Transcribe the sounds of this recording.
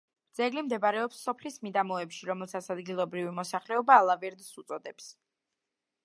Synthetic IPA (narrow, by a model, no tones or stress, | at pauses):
d̪z̥ɛɡlimd̪ɛbaɾɛɔpsːɔpʰlismid̪amɔɛpʃiɾɔmɛlˠsat̪sʰad̪ɡilˠɔbɾivimɔsaχlɛɔbaːlˠavɛɾd̪sut̪sʼɔd̪ɛps